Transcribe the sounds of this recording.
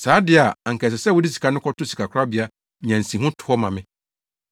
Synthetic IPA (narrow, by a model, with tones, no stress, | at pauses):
saː˨˦dɪ˨˦a˨a˨ŋ̩˨kʰɛ˨s̬ɛ˨sɛ˦˨wʊ˨˦di˦s̬i̥˨kʰa˨nʊ̃˦kʰɔ˦tʊ˦si˨kʰa˨kʰɾa˦bɪ˨a˦˨ | ɲã˨n̩˨sĩ˨ɦʊ̃˦tʰʊ˨ɔ˦mã˨mɪ̃˦